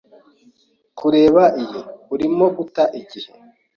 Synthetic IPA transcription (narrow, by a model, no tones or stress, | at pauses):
kuɾe̞ːβaʔijeuɾimo̞ɡutaʔiɟihe